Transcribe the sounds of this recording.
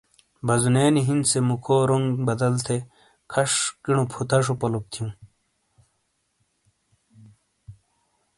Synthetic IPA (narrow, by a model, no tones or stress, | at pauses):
bɐzuneːniɦind̪semukʰoːɾoŋɡbɐd̪ɐlt̪ʰe | kʰɐʂkiɳupʰut̪ɐʂ̬opɐlop̚t̪ʰijũː